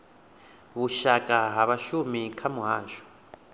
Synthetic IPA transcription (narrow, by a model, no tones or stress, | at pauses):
βuʃakʼaɦaβaʃumikʰamuɦaːʃɔ̥